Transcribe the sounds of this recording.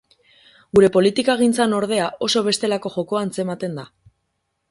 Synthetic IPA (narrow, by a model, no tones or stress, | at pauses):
ɡuɾe̞po̞lit̪ikaɣ̞int͡sano̞ɾð̞e̞aʔo̞so̞β̞e̞st̪e̞lako̞ʝo̞ko̞ant͡se̞mat̪e̞nd̪a